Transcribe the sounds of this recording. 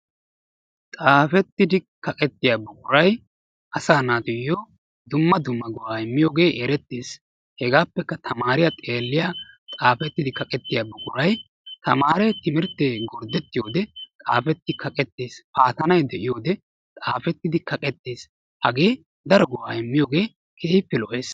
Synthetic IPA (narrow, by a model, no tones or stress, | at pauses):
t̪ʼaːfɛt̪ːɪd̪ɪkɐkʼɛt̪ːɪjaːbʊkʼʊɾɐj | ʔɐsaːnaːt̪ʊjːoː | d̪ʊmːɐd̪ʊmːɐɡʊwaːɪmːɪjoːɡe̞ːʔɛɾɛt̪ːeːs | hɛɡaːpːɛkːɐt̪ʰɐmaːɾɪjɐt̪ʼeːlːɪjaːt̪ʼaːfɛt̪ːɪd̪ɪkɐkʼɛt̪ːɪjaːbʊkʼʊɾɐj | t̪ɐmaːɾɛt̪ɪmɪɾt̪ːeːɡɔɾd̪ɛt̪ːɪjo̞ːd̪ɛt̪ʼaːfɛt̪ːɪkɐkʼɛt̪ːe̞ːspaːt̪ɐnɐjd̪ɛʔɪjo̞ːd̪ɛ | t̪ʼaːfɛt̪ːɪd̪ɪkɐkʼɛt̪ːeːs | ʔɐɡe̞ː | d̪ɐɾɔɡʊwaːɛmːɪjoːɡe̞ː | kʰeːjpːɛlɔʔe̞ːs